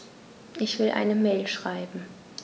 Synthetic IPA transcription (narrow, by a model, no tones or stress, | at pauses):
ʔɪçv̥ɪlʔa̰ɪnəmɛːlʃʁ̥aɪbm̩